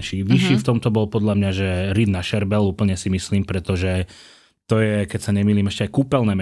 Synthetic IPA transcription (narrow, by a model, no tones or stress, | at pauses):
ʃiʋiʃiːft̪ɔmt̪ɔbɔlpɔd̪ʎamɲaʒɛɾid̪naʃɛɾbɛluːpl̩ɲɛsimisliːmpɾɛt̪ɔʒɛ | t̪ɔjɛkɛcsaɲɛmiːliːmɛʃcɛajkuːpɛlnɛːm